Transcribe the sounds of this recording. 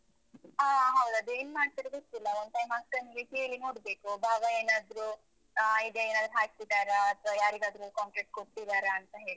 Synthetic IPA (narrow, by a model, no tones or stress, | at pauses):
aɦɐwd̪ɐd̪eːnumaːɖ̚t̪iɾɐɡost̪ilːɐʋond̪tʰɐjmaːkkɐnelikeːɭinoːɽbe̞ːkubʱaːɡɐeːnaːd̪ɾu | id̪ɐeːnaːd̪ɾuɦaːɡ̚t̪id̪aːɾeɐt̪ʰʋajaːɾiɡ̪aːd̪ɾukaːɳʈeʈ̚koʈt̪id̪aːɾeɐnt̪ɐɦe̞ːɭi